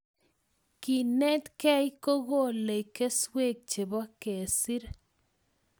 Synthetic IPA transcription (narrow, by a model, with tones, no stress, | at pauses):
ki˨ne˦t̪kɛ˦jko˦ɣo˦˨le˨jke˦swe˦˨k̚t͡ʃe˨ba˦ke˨si˦ɾ